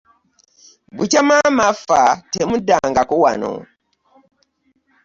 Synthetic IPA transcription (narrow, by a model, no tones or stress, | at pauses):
but͡ʃamamafatemudaŋɡakuwa̰no̰